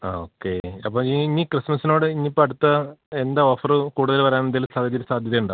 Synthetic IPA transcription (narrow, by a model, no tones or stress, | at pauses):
o̰ːkːeɐpːoːiinːikrɨsmɐsino̞ːɽɨinːipːoːɐɽut̪ːɐend̪ao̞ːfɐrɨkuːɽuðɐlʋɐɾaːnend̪ilsaːd̪ʱɐd̪iɾɨsaːd̪ʱjɐðejuɳɖaː